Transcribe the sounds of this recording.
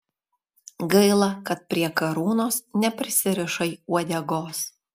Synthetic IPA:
ɡɐɪlˠɐkɐt̪̚pʲɾʲiɛkɐɾuːnoːsnʲɛpʲɾʲɪsʲɪɾʲɪʃɐɪuɔd̪ʲɛɡoːs

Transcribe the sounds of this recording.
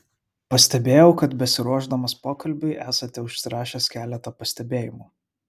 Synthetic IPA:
pɐsʲt̪ʲɛbʲeːjɛʊkɐt̪bʲɛsʲɪɾuɔʒd̪ɐmɐspoːkɐlʲbʲɪɪʔæːsɐt̪ʲɛʊʃʲsʲɪɾɑːʃʲeːskʲæːlʲɛt̪ɐːpɐsʲt̪ʲɛbʲeːjɪmuː

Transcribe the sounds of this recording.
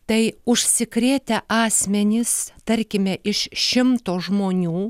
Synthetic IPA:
t̪ɐɪʊʃʲsʲɪkɾʲeːt̪ʲɛʔɑːsʲmʲɛnʲɪst̪ɐɾʲkʲɪmʲɛʔɪʃʃʲɪmt̪oːʒmoːnʲuː

